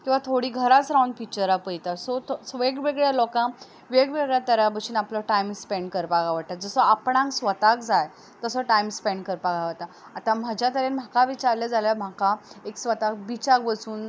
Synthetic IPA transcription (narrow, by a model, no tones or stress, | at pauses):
kĩw̃ʋat̪ʰoɽiːɡʱəɾat͡sɾauɳɖfik̚t͡ɕəɾapəjt̪asɔt̪sʋeɡʋeɡɭjalɔkã | ʋeɡʋeɡɭjat̪əɾjabəsuːnapləʈajmspeɳɖkəɾpaɡaʋaʈ̚ːat̪̚d͡zəsəapɳãŋksʋət̪ak̚d͡zaj | t̪əsəʈajmspeɳɖkəɾpaɡaʋət̪a | at̪ãm̤əd͡ʑat̪əɾenm̤akaʋit͡ɕaɾlad͡zalam̤akaeksʋət̪ak̚bit͡ɕakʋəsuːn